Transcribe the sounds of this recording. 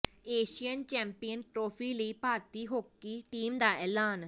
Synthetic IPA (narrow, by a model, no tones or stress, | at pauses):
eːʃijənt͡ʃɛ̃ːmpijənʈɾoːpʰiːləiːpaːt̪iːɦoːkːiːʈiːmd̪aːʔɛːlaːn